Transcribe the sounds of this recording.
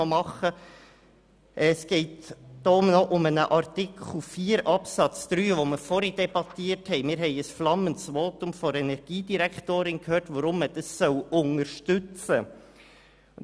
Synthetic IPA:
omɑχə | ʔɛsɡ̥ɛɪt̪d̥oːmnɔʔʊmɛnəʔɑɾtɪkʰl̩fiːɾɑpsɑtt͡sd̪̥ɾyːʋoːməfɔɾidɛbɑt̪iːthɛɪmɪːɾɦɛɪəsflɑmənsʋoːt̪ʊmfɔɾɛnɛɾɡ̥iːd̪iɾɛkt̪oːɾɪnkhøːɹtʋɑɾʊmːəd̥ɑsːɔlʊŋəɾʃtʏt͡sə

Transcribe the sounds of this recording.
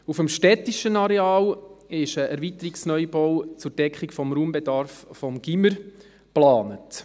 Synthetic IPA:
ufəmʃtɛtiʃənɑɾɛɑːlɪʃəʔæɾvitəɾiksnœjbɔwt͡sʊɾd̥ɛkχikfɔmɾuːmbɛdɑɾffɔmɡ̥iməɾ | plɑːnət

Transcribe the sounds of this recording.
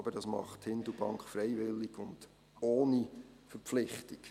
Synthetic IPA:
b̥ədɑsmɑ̰χthɪndubɑŋkχfɾɛɪʋɪlːiɡʊnd̥ | oːnifəɾflɪχtik

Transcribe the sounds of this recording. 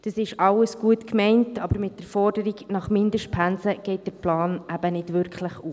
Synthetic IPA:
d̥ɑsɪʃɑwəsɡ̥uətkmɛɪntʰɑbəɾmɪt̚d̥əɾfɔrd̥əɾiɡnɑχmɪndəʃtpʰænsəɡ̥ɛɪt̚d̥əɾplɑːnæb̥ənɪd̥ʋʏɾkχləχu

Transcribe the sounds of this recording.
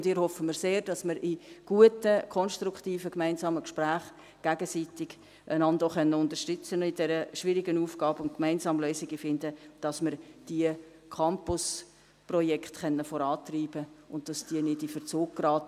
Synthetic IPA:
ʊndɪːɾhɔfːəməɾseːɾd̥ɑsməɾɪɡ̥uətəkʰɔnʃtɾukχtiːfəkmæɪnsɑːməkʃpɾæːχ | ɡ̥æɡəsiːtɪɡ̥ | ənɑndoχœnːəʊndəɾʃtʏt͡sənɪd̥ɛɾəʃʋɪɾɪɡənuːfɡɑːbʊntkmæɪnsɑːmløːsɪɡifɪndəd̥ɑsməɾd̥iə | kʰɑmpʊs | prɔjɛkχtχɛnːəfɔɾɑːtriːb̥əʊntd̥ɑsd̥iənɪdifəɾt͡suːɡ̥̚ɡrɑːt

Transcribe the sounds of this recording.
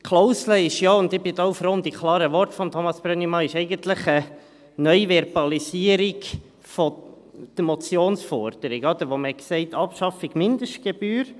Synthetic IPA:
kʰloʊsləɪʃjɑːʊnd̪ɪbɪd̪ɔːufɾond̪ikʰlˠɑːɾəʋɔrtfɔmt̪ʰomɑsb̥ɾœnimɑɪʃɛɪɡənt̪ləχə | nœʏʋɛɾbɑlisiəɾiɡ | fɔ | d̥əmɔt͡sjoːnsfɔɾd̥əɾiɡɔd̪əɾʋoməɛksɛɪtʰɑpʃɑfɪɡ̥mɪnd̪əʃt̚ɡ̥eb̥yːɾ

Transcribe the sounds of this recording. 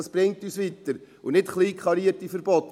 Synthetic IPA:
sb̥ɾɪŋtyːsviːtəɾ | ʊnɪtχliːkʰlɑɾiətifəɾbɔt

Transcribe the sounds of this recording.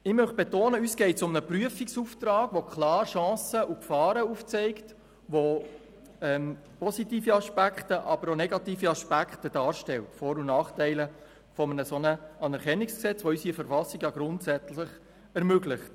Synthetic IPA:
ɪmœχb̥ɛtoːnəyːsɡ̥ɛɪtsʊmnəpryəfiksuft̪ɾɑːɡ̥ʋokχlɑːɾʃɑ̃ːsəʔukfɑːɾəuːft͡sɛɪkt | ʋo | ɛm | pɔsitiːfiɑʃpækχtəʔɑbəɾonɛɡɑtiːfiɑʃpækχtəd̥ɑːɾʃtɛltfɔːɾunɑːχtɛɪlə | fɔmənəsɔnəɑnɛɾkɛnːiksksɛt͡sʋoysifəɾfɑsiɡjɑɡɾʊntsæt͡sləχ | ɛɾmøɡlɪχt

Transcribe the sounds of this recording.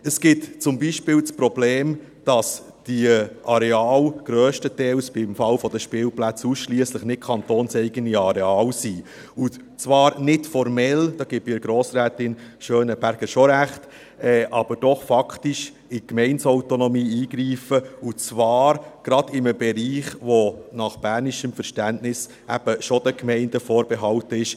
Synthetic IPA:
əsɡ̥ɪtt͡sʊmbiʃpɪːlt͡spɾɔbleːm | d̥ɑs | d̥iʔɑɾɛɑːlɡ̥ɾœːʃtətɛɪlsb̥ɪmfɑlfɔd̥̪əʃpɪːlplæt͡suːsʃliəsləχnɪt̚kʰɑnt̪oːnsɛɪɡəniɑɾɛɑːlsiː | ʊ | t͡sʋɑːɾnɪtfɔɾmɛld̥ɑːɡ̥ɪbɪɾɡ̥ɾoːsɾæːtɪnʃøːnəb̥æɾɡ̥əʃoɾæχt | ɛːʔɑb̥əɾd̥ɔχfɑktɪʃ | ɪkmɛɪnsɔʊtonɔmiːiːɡɾiːfəut͡sʋɑːɾɡ̥ɾɑd̥̪ɪməbɛɾiːχʋonɑχb̥æːɾnɪʃəmfəɾʃtæntnɪs | æb̥əʃod̥̪əkmɛɪnd̥əfoːɾb̥ɛɦɑltəɪʃ

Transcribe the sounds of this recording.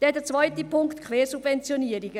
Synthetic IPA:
d̥ɛːdeːɐt͡sv̥aʏtəpʰʊŋktkʰv̥eːsub̥vɛnt͡sjoniːɾɪɡə

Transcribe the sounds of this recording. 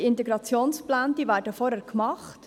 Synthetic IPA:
ɪntɛɡɾɑt͡sjoːnsplaːnd̥iːʋæːɾdəfɔɾɛɾkmɑχt

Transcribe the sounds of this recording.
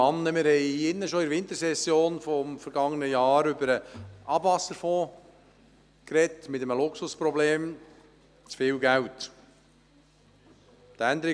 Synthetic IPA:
ɑnːəmɪɾhɛɪɪnːəʃoɪɾʋɪnt̪əɾsɛsːjoːnfɔmfəɾɡɑŋːənəjɑːɾʏbəɾəɑbʋɑsəɾfoː | kɾɛtmɪtəməlʊksʊspɾɔbleːm | t͡sfɪːlɡæwt | t̪ænd̪əɾɪ

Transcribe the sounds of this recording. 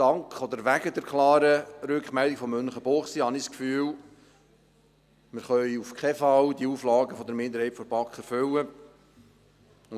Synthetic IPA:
d̥ɑŋkχɔd̪əɾʋæɡəd̪ɛɾkʰlɑːɾəɾʉkχmæld̪iɡ̥fɔmːønχəboːχsihɑnɪskfyːl | mɪɾχœʏufkχɛfɑwd̪iuːflɑːɡəfɔd̪əɾmɪnd̪əɾhɛɪtfɔbɑkχəɾføwə

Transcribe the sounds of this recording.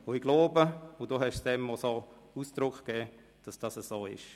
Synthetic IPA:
ʊɪɡloːbəʊdoːɦɛʃsd̥ɛmːɔsoː | usd̥ɾʊkχkɛː | d̥ɑsd̥ɑsəsoːɪ̰ʃ

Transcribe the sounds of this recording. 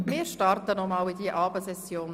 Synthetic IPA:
mɪːɾʃtɑrtənɔmɑːlid̪iəʔɑːbəsɛsjoːn

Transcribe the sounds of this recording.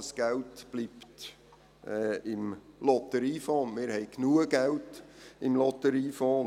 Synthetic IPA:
əsɡ̥æltb̥liːpt | ɛːɪmlɔt̪əɾiːfɔːnmɪːɾhɛɪknuəɡ̥æltɪmlɔt̪əɾiːfɔːn

